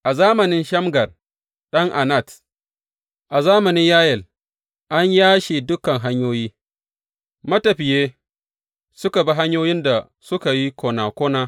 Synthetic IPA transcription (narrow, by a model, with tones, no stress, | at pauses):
ʔa˨zaː˦mɐ˨nɪ˦nʃɐ˦mɡɐ˨r | ɗɐ˦ŋʔa˨na˦˨t | ʔa˨zaː˦mɐ˨nɪ˦ɲjaː˦jɛ˨l | ʔa˦ɲjaː˦ʃeː˨dʊ˦kɐ˨ŋɦa˦ɲjoː˦jiː˦ | mɐ˦tɐ˨ɸɪ˨jeː˦ | sʊ˦ka˨ba˦ɦa˦ɲjoː˦jɪ˦nda˨ | sʊ˦ka˨ji˦kʰʷoː˨naː˨kʷoː˦naː˦